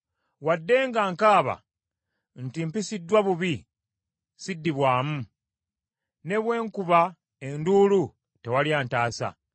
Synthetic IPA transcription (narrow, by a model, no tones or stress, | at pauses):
wadːe̞ːŋɡaːŋkaːβa̰ | ntimpisidːwaβuβi | sidːiβwaːmu | ne̞βwe̞ːŋkuβa | e̞nduːlu | te̞waljaːntaːsa̰